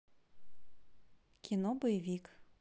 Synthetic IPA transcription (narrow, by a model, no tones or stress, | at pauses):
kʲʰinɔbɔjɛʋʲik